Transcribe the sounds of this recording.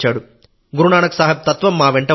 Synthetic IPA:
t͡ʃaːɽu | ɡuɾuɳaːɳɐku̥saːɦɐt̪ɐt̪ʋɐmːaːʋeɳʈɐ

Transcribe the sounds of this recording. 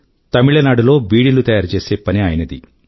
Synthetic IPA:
t̪ɐmiɭɐnaːɽulo̞ːbiːɽilut̪ɐjaːɾt͡ʃe̞ːse̞ːpɐniaːjɐnɐd̪ḭ

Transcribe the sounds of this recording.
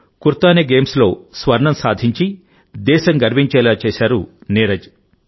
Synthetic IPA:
kuɾt̪aːneɡeːmslo̞ːsʋɐɾɳɐmsaːd̪ʱiɲt͡ʃi | d̪ɛːʃɐŋɡɐɾbiɲt͡ʃɛːlaːt͡ʃɛːʃaːɾuneːɾɐd͡ʒ

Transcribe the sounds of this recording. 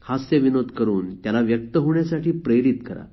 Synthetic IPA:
hasjəʋinod̪ʱkəɾuːnt̪jalaʋjək̚t̪əɦoɳjasaʈiːpɾeɾit̪kəɾa̰

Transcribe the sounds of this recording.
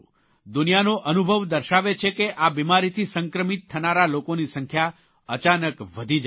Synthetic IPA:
d̪unijanoʔənubʱəʋd̪əɾʃaʋet͡ʃʰekeʔabimaɾit̪ʰisə̃ŋkɾəmit̪ʰːənaɾalokonisəŋkʰja | ət͡ʃanəkʋəd̪ʱid͡ʒa

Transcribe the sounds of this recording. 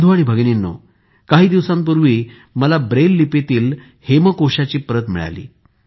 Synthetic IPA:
d̪ʱuaɽ̃ibʱəɡnenːo̰ | kaɦiːd̪iʋsãmp̬uɾʋiː | məlabɾelːipet̪iːl | heməkoɕat͡ɕiːpəɾət̪mḭɭa̰lḭː

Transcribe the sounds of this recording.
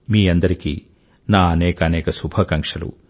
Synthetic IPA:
miːɐnd̪ɐɾikḭ | naːɐnɛːkɐːnɛːkɐsubʱɐkɐŋkʂɐlṵ

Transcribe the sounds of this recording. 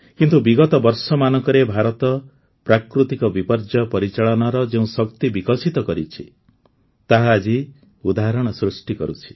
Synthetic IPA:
kint̪ubiɡɔt̪ɔbɔɾsɔmanɔŋkɔɾebʱaɾɔt̪ɔ | pɾakɾut̪ikɔbipɔɾd͡ʒɔpɔɾit͡ʃaɭɔnaɾɔd͡ʒeũsɔk̚t̪ibikɔsit̪ɔkɔɾit͡ʃʰi | t̪aɦaːd͡ʒi | ud̪aɦɾɔɽ̃ɔsɾusʈikɔɾut͡ʃʰi̥

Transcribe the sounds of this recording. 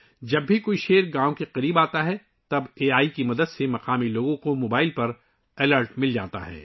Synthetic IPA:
d͡ʒɐbːʱikoːiʃeːɾɡãːõkeqɐɾiːbaːt̪aɦɛ | t̪ɐbeːaːikimɐd̪əd̪semɐqaːmiloːɡõkomoːbaːɪlpɐɾ | ɛləɾʈmɪld͡ʒa̰ːt̪a̰ɦɛ̰ː

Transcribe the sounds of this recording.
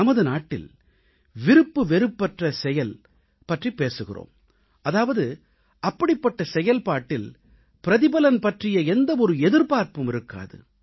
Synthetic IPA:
ɐmɐðɯnaːʈːɪ̰l | ʋɪɾɯpːɯʋɛɾɯpːɐʈrɐsɛjɐl | pɐʈripːeːsɯɣɪ̰ro̰ːm | ʔɐðaːʋɐðɯ | ɐpːɐɽɪpːɐʈːɐsɛjɐlpaːʈːɪl | pɪɾɐðɪbɐlɐnpɐʈrɪjɐɛnd̪ɐɔɾɯɛðɯɾpaːɾpɯmɪɾɯkːa̰ːðɯ̰

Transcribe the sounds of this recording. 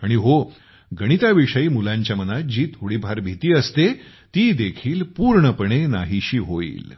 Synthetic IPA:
aɽ̃iɦo | ɡəɽ̃it̪aʋiʂəiːmulãɲt͡ɕjamənat̪̚d͡ʑiːt̪ʰɦuɽibʱaɾbʱit̪iːəst̪e | t̪iːd̪ekʰiːlpuːɾɳəpəɳ̃enaɦiɕiːɦoḭːl

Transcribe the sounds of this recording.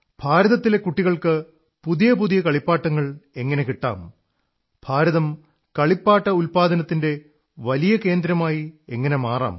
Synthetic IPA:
b̥ʱaːɾɐðɐt̪ːile̞kuʈːiɣɐɭkɨ | puðijɐpuðijɐkɐɭipːaːʈːɐŋːɐɭe̞ŋːɐne̞kiʈːa̰ːm | b̥ʱaːɾɐðɐm | kɐɭipːaːʈːɐulpaːd̪ɐnɐt̪ːinde̞ | ʋɐlijɐke̞ːnd̪ɾɐmaːjie̞ŋːɐne̞maːra̰ːm

